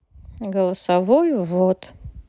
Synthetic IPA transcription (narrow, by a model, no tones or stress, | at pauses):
ɡəlˠəsɐvojvot̪